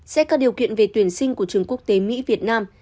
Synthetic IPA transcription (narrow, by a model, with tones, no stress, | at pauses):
sɛ̰˧˥kaː˦˥k̚ɗi˨˩əwkḭ˧˨ənve˨˩t̪wi˧˩ənsï˧ŋ̟ku˧˩ət͡ɕɨ˨˩əŋku˦˥ək̚t̪e˨˦mḭ˧˥vi˨˩ət̚naː˧m